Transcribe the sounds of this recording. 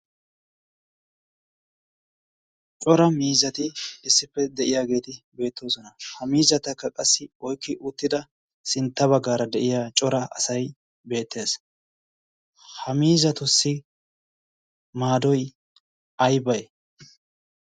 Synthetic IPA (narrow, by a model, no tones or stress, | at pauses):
t͡ʃʼɔɾɐmiːzɐt̪ɪɪsːɪpːɛd̪ɛʔɪjaːɡe̞ːt̪ɪbe̞ːt̪ːo̞ːsɔnɐhɐmiːzɐt̪ːɐkːɐkʼɐsːɪɔjkːɪʔʊt̪ːɪd̪ɐ | sɪnt̪ːɐβɐɡːaːɾɐd̪ɛʔɪjaːt͡ʃʼɔɾɐɐ̰sɐj | be̞ːt̪ʰːe̞ːs | hɐmiːzɐt̪ʊsːɪ | maːd̪ɔj | ɐjbɐj